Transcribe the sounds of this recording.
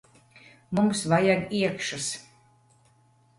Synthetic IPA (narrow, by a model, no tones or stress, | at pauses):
mumsvajaɡiɛkʃas